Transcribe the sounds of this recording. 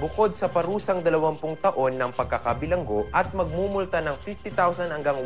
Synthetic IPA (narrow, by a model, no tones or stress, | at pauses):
bʊko̞d̪̚sɐpɐɾuːsɐŋd̪ɐlɐwɐmpʊŋt̪ɐʔo̞nːɐŋpɐɡ̚kɐkabɪlɐŋɡo̞ʔɐt̪̚mɐɡ̚mumʊlt̪anɐŋfift̪ɪt̪awsɐnɐŋɡɐŋ